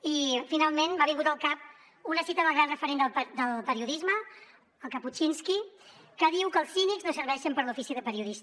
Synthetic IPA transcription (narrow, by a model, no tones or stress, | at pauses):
ifinalˠmenbaβiŋɡut̪əlˠkap̚ | unəsit̪əðəlˠɣɾanrəfəɾend̪əd̪əlpəɾiuðizmə | əlˠkəput͡ʃinski | kəðiwkəlˠsinikznosəɾβɛʃəmpəɾlufisiðəpəɾiuðis